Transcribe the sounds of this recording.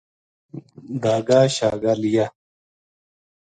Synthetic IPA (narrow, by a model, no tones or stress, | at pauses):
d̪aːɡaːɕaːɡalija